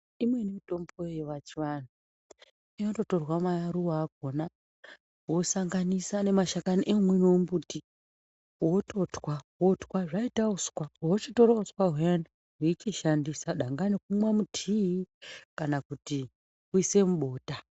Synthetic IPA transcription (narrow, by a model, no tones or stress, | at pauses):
imwe̞nimito̞mbojeʋat͡ʃiʋanu | ijoto̞to̞rwamajaɾuwaːɡ̚ʱo̞na | wo̞saŋɡanisane̞maʃakaniʔemwenoumbuti | woto̞twawo̞twaʐaitauskwawot͡ʃito̞ɾauskwaɦujani | ɦit͡ʃiʃandisaɗaŋɡanek̚umwamutʰiikanakuti | kuise̞muɓo̞ːta